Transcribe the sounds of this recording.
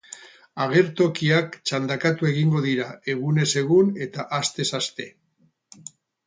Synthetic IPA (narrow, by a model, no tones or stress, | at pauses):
aɣ̞e̞ɾt̪o̞kiakt͡ʃand̪akat̪ue̞ɣ̞iŋɡo̞ðiɾae̞ɣ̞une̞se̞ɣune̞t̪aʔast̪e̞sast̪e̞